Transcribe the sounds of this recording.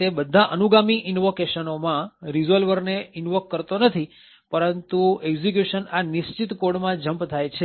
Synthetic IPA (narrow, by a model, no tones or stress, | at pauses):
t̪ebəd̪ʱaʔənuɡamiʔɪnʋokeʃənomãɾizəlʋəɾneɪnʋəkːəɾt̪onət̪ʰi | pəɾənt̪ueɡzikjuʃənaniʃt͡ʃit̪koɽmãd͡ʒəmpt̪ʰajt͡ʃʰe